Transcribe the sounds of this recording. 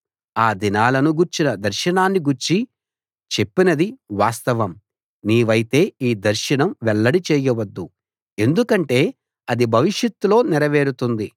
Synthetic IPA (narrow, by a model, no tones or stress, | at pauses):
aːd̪inaːlɐnuɡuɾt͡ʃinɐd̪ɐɾʃɐnaːnːiɡuɾt͡ʃi | t͡ʃe̞pːinɐd̪iʋaːst̪ɐʋɐm | niːʋɐjit̪e̞ːiːd̪ɐɾʃɐnɐmʋɛɭːɐɽit͡ʃɛːjɐʋɐd̪ːu | e̞nd̪ukɐɳʈe̞ː | ɐd̪ibʱɐʋiʂjɐt̪ːulo̞ːnɛɾɐʋe̞ːɾut̪und̪i